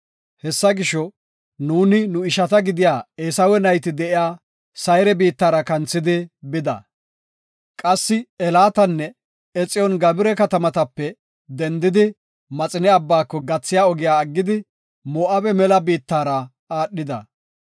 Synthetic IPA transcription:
hɛsːɐɡɪʃːɔ | nuːnɪnʊɪʃɐt̪ɐɡɪd̪ɪjaːeːsɐwɛnɐjt̪ɪd̪ɛʔɪjaː | sɐjɾɛbiːt̪ːaːɾɐkɐnt͡sːɪd̪ɪbɪd̪ɐ̰ | kʼɐsːɪɛlaːt̪ɐnːɛ | ɛt͡sʼːɪjɔnɡɐbɪɾɛkɐt̪ɐmɐt̪ɐpːɛ | d̪ɛnd̪ɪd̪ɪ | mɐt͡sʼɪnɛɐbːaːkːɔɡɐt͡sːɪjaːɔɡɪjaːɡːɪd̪ɪ | mɔːʔɐbɛmɛlɐbiːt̪ːaːɾɐ | aːɗːɪd̪ɐ̰

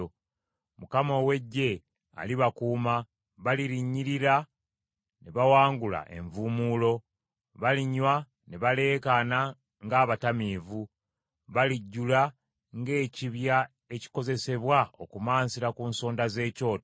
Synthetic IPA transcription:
mukamo̞we̞ɟːe̞ | a̰liβakuːma | βaliɾiɲːiɾiɾa | ne̞βawaːŋɡula̰ʔe̞̰ɱvuːmuːlo̞ | βaliɲːwa | ne̞βale̞ːkana | ŋɡaːβatamiːvu | βaliɟːula | ŋɡe̞ːciβja | e̞ci̥ko̞ze̞se̞βwao̞kumaːnsiɾakuːnso̞ːndaze̞ːco̞ːt

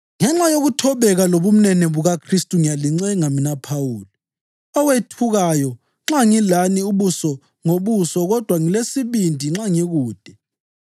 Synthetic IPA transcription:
ŋɛŋ͡ǁajoɣutʰɔβɛɣaloβum̩nɛnɛβuɣakʰristʼuŋijaliŋ͡ǀɛŋaminapʰawuːlɔ | ɔwetʰuɣajɔ | ŋ͡ǁaŋilaniuβusɔ | ŋoβusɔɣɔd̥ʱwaŋilesiβindʱiŋ͡ǁaŋiɣuːd̥ʱɛ

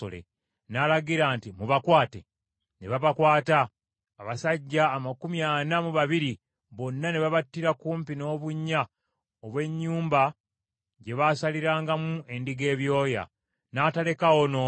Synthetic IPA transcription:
o̰lḛ | nalaɡiɾaːntimuβakwaːtḛ | ne̞βaβakwaːtaː | βasaɟːaːmakumjaːnamuβaβiɾi | βo̞nːane̞βaβatːiɾakuːmpino̞ːβuɲːa | oβwe̞ɲːuːmba | ɟe̞βaːsaliɾaːŋɡamue̞ndiɡe̞ːβjo̞ːja̰ | naːtale̞kaono̞

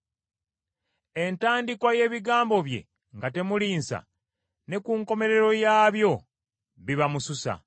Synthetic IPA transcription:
e̞ntaːndikwaje̞ːβiɡaːmbo̞βje̞̰ | ŋɡate̞muliːnsa̰ | ne̞kuːŋko̞me̞ɾe̞ɾo̞jaːβjo̞ | βiβamususa̰

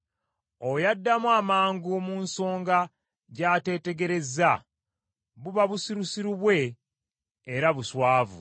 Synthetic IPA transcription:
ojadːamwaːmaːŋɡumuːnso̞ːŋɡa | ɟaːte̞ːte̞ɡe̞ɾe̞za | βuβaβusiɾusiɾuβwe̞ː | ɾaβuswaːvṵ

